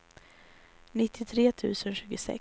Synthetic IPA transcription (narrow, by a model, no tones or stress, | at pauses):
nɪt̪ʰːɪt̪ʰɾeːt̪ʰʉ̟ːsənɕʉ̟ːɡʊsɛ̰k